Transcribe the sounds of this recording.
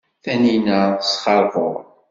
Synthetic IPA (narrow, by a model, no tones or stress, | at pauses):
θæninæsχɑɾˤvʊɾˤ